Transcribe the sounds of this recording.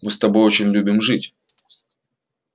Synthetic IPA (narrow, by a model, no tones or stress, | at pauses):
mɨst̪ɐbo̞jot͡ɕɪnʲlʲubʲɪmʐɨtʲ